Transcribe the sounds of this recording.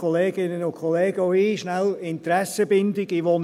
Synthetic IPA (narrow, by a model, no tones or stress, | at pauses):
ɔleːɡ̥ɪnənʊnkʰχɔleːɡ̥əɔiʃnælɪntɾɛsəbɪndɪɡiʋon